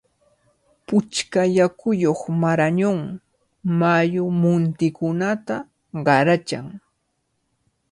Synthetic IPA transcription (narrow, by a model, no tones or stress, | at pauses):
pʊt͡ʃkajakʊjoχmaɾaɲoŋ | majʊmʊnt̪ɪkʊnat̪a | ɢɑɾat͡ʃa̰ŋ